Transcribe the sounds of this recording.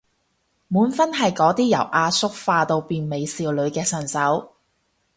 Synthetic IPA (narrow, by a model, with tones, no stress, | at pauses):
muː˨˥nfɐ˥nɦɐ˨jkɔː˨˧˥t̪iː˥jɐ̰˨˩wʔaː˧sʊ˥k̚faː˧t̪o˧wpiː˨nme˨˧jsiː˨wlɵ˨˧ɥkɛː˧sɐ˨˩nsɐ˨˥w